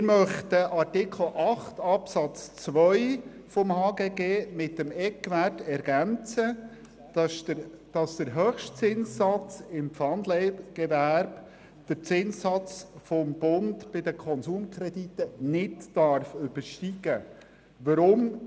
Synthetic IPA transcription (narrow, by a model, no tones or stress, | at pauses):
ɪɾmœχt̪əʔɑɾtɪkʰl̩ʔɑχt̪ɑpsɑt͡st͡sʋœʏfɔmhɑːɡeːɡeːmɪtːəmɛkʋætɛɾɡænt͡sə̥ | d̥ɑsd̥̪əɾɦœχʃtt͡sɪnssɑt͡sɪmfɑnd̪lɛɪɡ̥ɛvæɾb̥ | d̥əɾt͡sɪnsɑt͡sfɔmb̥ʊndb̥ɪd̪əkʰɔnsuːmkʰɾɛd̥̪itənɪtːɑɾfʏb̥əɾʃtiɡ̥ə | ʋəɾʊm